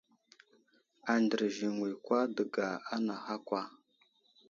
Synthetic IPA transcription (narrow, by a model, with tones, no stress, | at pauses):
a˨ndə˨ɾʒi˨ŋwi˨kwa˦də˨ɡa˨a˦na˨xa˦kʷa˦